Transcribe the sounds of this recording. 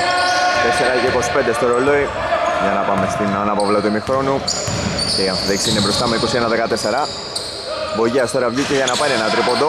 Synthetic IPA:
t̪eseɾɐceiko̞si̥ped̪est̪oɾo̞lo̞i | ʝɐnɐpɐme̞st̪inɐnɐpovlɐt̪umixɾo̞nu | ceiɐɱfiðeksiinebɾo̞st̪ɐmeiko̞sienɐðekɐt̪eseɾɐ | bo̞ʝiɐst̪o̞ɾɐvʝiceʝɐnɐpɐɾienɐt̪ɾipod̪o

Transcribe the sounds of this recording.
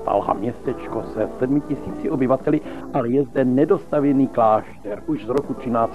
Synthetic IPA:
t̪a̰lɦa̰mɲɛst̪ɛt͡ʃkosɛsɛdmɪcɪsiːt͡sɪʔo̞bɪvat̪ɛlɪʔalɛjɛzdɛnɛdo̞st̪avjɛniːklaːʃt̪ɛɾʔuʒzɾokut̪r̥ɪnaːt͡s

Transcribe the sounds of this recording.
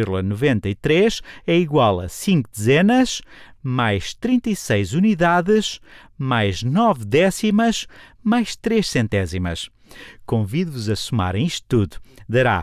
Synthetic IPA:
eɾlˠɐnuvẽnt̪ɐit̪ɾeʃɛiɣwalˠɐ̰sĩŋkud̪ɨzɛnɐʃmajʃt̪ɾĩnt̪ɐisɐjzuniðaðɨʃ | majʒnɔvd̪ɛsimɐʃ | majʃt̪ɾeʃsẽnt̪ɛzimɐ̰ʃ | kõviðvuzɐsuma̰ɾɐ̃iʃt̪t̪uðud̪ɐɾa̰

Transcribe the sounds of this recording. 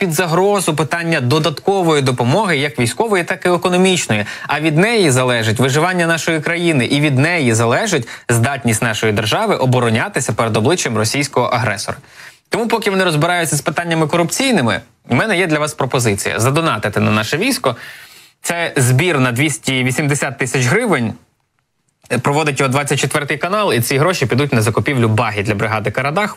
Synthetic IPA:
pʲid̪zɐɦɾɔzʊpɪt̪ɑnʲːɐd̪ɔd̪ɐt̪kɔʋɔjid̪ɔpɔmɔɦɪjɐkʋʲijsʲkɔʋɔjit̪ɑkɪekɔnɔmʲit͡ʃnɔjiɐʋʲid̪nɛjizɐlˠɛʒɪtʲʋɪʒɪʋɑnʲːɐnɑʃɔjikɾɐjinɪʔiʋʲid̪nɛjizɐlˠɛʒɪtʲzd̪ɑtʲnʲisʲtʲnɑʃɔjid̪erʒɑʋɪʔɔbɔɾɔnʲat̪ɪsʲɐpeɾed̪ɔblˠɪt͡ʃjɛmrɔsʲijsʲkɔɦɔʔɐɦɾɛsɔ̰ɾɐt̪ɔmupɔkɪʋɔnɪɾɔzbɪɾɑjʊtʲt͡sʲːɐspɪt̪ɑnʲːɐmɪkɔɾʊpt͡sʲijnɪmɪ̰ | mɛnɛjɛd̪lʲɐʋɑspɾɔpɔzɪt͡sʲijɐ̰zɐd̪ɔnɑt̪ɪt̪ɛnɐnɑʃɛʋʲijsʲkɔ | t̪sɛzbʲirnɐd̪ʋʲisʲtʲiʋʲisʲimd̪esʲat̪ːɪsʲɐt͡ʃɦɾɪʋɪnʲ | pɾɔʋɔd̪ɪtʲjɔɔd̪ʋɑt͡sʲːɐt̚ʲt͡ʃet̪ʋɛrt̪ɪjkɐnɑlˠit̪sʲiɦɾɔʃipʲid̪utʲnɐzɐkʊpʲiwlʲʊbɑɦʲid̪lʲɐbɾɪɦɑd̪ɪkɐɾɐb̪ɑx

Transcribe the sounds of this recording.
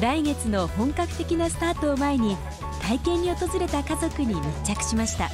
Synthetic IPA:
d̪aiŋe̞t͡sɨno̞hõ̞ŋkakɯ̟̥t̪e̞kʲinasɨ̥t̪aːt̪o̞ːmae̞ɲ̟i | t̪aikẽ̞ɲ̟ːio̞t̪o̞zɨɾe̞t̪akazo̞kɯ̟ɲ̟imɯt͡ɕːakɯ̟̥ɕimaɕi̥t̪a̰

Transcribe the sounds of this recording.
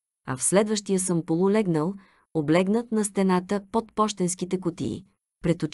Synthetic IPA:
ɐ̰fslɛd̪vəʃt̪ijəsəmpolˠulɛɡnəlˠ | oblɛɡnət̪nɐst̪ɛnat̪əpot̪pɔʃt̪ɛnskit̪ɛkʊt̪ḭː | pɾɛt̪o

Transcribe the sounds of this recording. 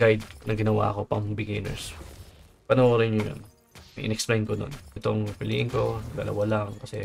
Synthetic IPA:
ɡajd̪̚nɐŋɡɪnɐwa̰ːko̞pɐŋbɪɡɪnɛ̰ɹs | pɐnɐʔoːɾɐɲʊjo̰n | ʔɪ̰nɛksplejnkod̪o̰nɛt̪oŋpɪliːʔɪŋko̞d̪ɐ̰lɐ̰walɐŋkɐsɛ

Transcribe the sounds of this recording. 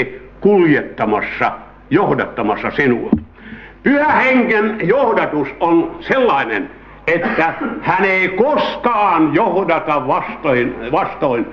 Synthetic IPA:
kuljet̪ːɑmɑsːɑ | johdɑt̪ːɑmɑsːɑsinu | pyhæheŋkenjohdɑt̪usonselːɑˑenḛn | et̪ːæhæneˑikoskɑːnjohdɑt̪ɑʋɑst̪oinʋɑst̪oin

